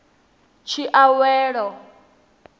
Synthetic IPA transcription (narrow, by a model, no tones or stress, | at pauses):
t͡ʃʰiʔawɛːɺɔ